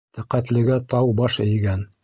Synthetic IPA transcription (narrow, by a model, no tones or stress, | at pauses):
t̪æqæt̪lɘ̆ɡæt̪ɑwbɑʃɘ̆jɡæn